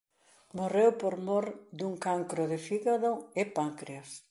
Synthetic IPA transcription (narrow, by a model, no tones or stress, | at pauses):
morewpoɾmoɾd̪uŋkaŋkɾʊðɪfiɣaðoɪpaŋkɾeas